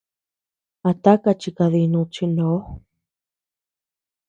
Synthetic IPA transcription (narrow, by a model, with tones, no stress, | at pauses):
a˧t̪a˦ka˧t͡ʃi˧ka˧ði˧nũ˧t͡ʃi˧ndo˨˦